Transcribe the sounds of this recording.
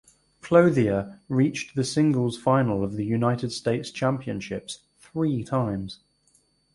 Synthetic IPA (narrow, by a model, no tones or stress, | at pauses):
kʰl̥əʊðiəɹiˑt͡ʃðəsɪ̃ŋɡəlˠz̥fãɪnələvðəjʉnaɪtɪd̥steɪtst͡ʃʰãmpiə̃nʃɪps | θɹiːtʰãɪ̃mz̥